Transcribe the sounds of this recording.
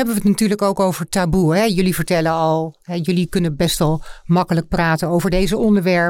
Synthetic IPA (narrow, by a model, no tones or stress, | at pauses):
ɛbəʋətnatyːɹləkowkowv̥əɹtabuəɦɛjɵlivəɹtɛlənɑlˠɦɛjɵlikɵnəbɛstʋɛlˠmɑkələk̚praːtənowvəɹdejzəɔndəɹʋɛɹ